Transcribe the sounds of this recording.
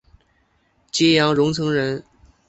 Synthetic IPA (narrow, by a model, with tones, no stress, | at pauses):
t͡ɕɛ˥jɑ˧˥ŋɻʊ˧˥ŋt͡sʰɤ˧˥ŋɻə˧˥n